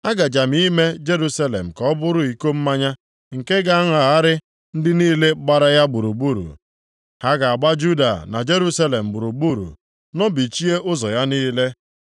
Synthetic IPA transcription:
a˦ɡa˨d͡ʒa˨m˦ii˦me˦d͡ʒe˦ɾu˦sa˦lḛ˨m̩˨kɔ˦bʊ˦ɾʊ˦i˨ko˦m̩˦ma˦ɲa˦ | ŋ̩˨ke˦ɡa˨a˦ŋa˨a˦ɾɪ˦ | n̩˦dɪ˦niː˦le˦ɡ͡ba˦ɾa˦ja˦ɡ͡bu˨ɾu˨bu˦ɾṵ˨ | ha˦ɡa˨a˨ɡ͡ba˦d͡ʒu˦da̰˨na̰˨d͡ʒe˦ɾu˦sa˦le˨m̩˨ɡ͡bu˨ɾu˨bu˦ɾṵ˨ | nɔ˦bi˨t͡ʃi˦e˦ʔʊ˦zɔ˨ja˦niː˦le˦

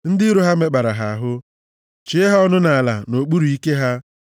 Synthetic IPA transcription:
n̩˦dɪ˦ɾo˦ɦa˦me˦k͡pa˨ɾa˨ɦa˨a˨ɦʊ˦ | t͡ʃi˨e˦ɦa˦ɔ˦nʊ˦na˨a˨la̰˨no˨k͡pu˦ɾu˨i˦ke˦ɦa˦

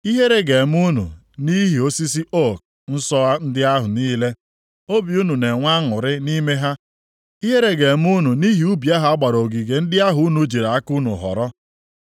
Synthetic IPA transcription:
i˦ɦe˦ɾe˦ɡe˨m˦u˦nṵ˨ | ni˦ɦi˨o˦si˦s̬i˦ʔo˦k̚ | n̩˦sɔ˦a˦n̩˦dɪ˦a˦ɦʊ˨niː˦le˦ | o˦bi˨u˦nu˨ne˨ŋʷa˦ŋʊ˨ɾɪ˦ni˦me˦ɦa˦ | i˦ɦe˦ɾe˦ɡe˨m˦u˦nu˨ni˦ɦi˨u˦bja˦ɦa˨a˦ɡ͡ba˨ɾo˨ɡi˨ɡe˨n̩˦dɪ˦a˦ɦʊ˨u˦nu˨d͡ʒi˨ɾa˨a˦ku˦nṵ˨ɦɔ̰˨ɾɔ˦

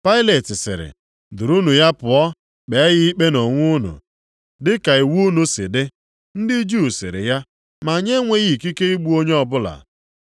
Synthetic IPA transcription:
pa˦ɪ˦le˨tɪ˨sɪ̰˨ɾɪ̰˨ | dʊ˨ɾu˦nu˨ja˦pʊ˨ɔ˦ | k͡pe˨˦ɣɪ˦i˦k͡pe˦no˨ŋʷu˦nʊ̰˨ | dɪ˦ka˨i˨wu˦nu˨sɪ̰˨dɪ˦ | n̩˦dɪ˦d͡ʒu˦˨sɪ̰˨ɾɪ̰˨ja˦ | ma˨ɲe˦ŋʷe˨ɣi˦˨ki˦ke˦i˦ɡ͡bu˦o˦ɲe˦ɔ˦bʊ˦la̰˨

